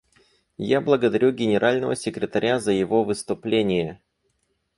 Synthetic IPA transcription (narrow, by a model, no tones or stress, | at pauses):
jablˠəɡəd̪ɐɾʲuɡʲɪnʲɪɾʔalʲnəvə̰sʲɪkɾʲɪt̪ɐɾʲazəjɪvo̞vɨst̪ʊplʲenʲɪjə